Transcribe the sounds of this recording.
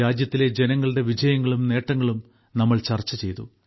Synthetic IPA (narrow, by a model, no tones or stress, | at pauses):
aːd͡ʑjɐt̪ːile̞d͡ʑe̞nɐŋːɐɭɨɽe̞ʋid͡ʑɐjɐŋːɐɭumne̞ːʈːɐŋːɐɭum | nɐmːɐɭt͡ɕɐrt͡ɕːɐt͡ɕe̞jt̪ṵ